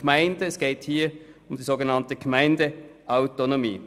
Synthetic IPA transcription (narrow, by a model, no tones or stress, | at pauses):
mæɪndəːsɡ̥eːthiːəʊmd̥iːszoːɡənɑntəɡ̥mæɪndəʔaʊtonomḭː